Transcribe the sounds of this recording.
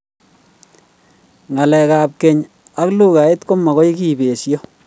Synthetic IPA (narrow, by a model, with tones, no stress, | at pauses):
ŋa˨lɛ˨kaː˨p̚ke˨ɲ | a˦klu˦ka˨e˦tko˦ma˨kɔ˦jki˨be˨sjɔ˦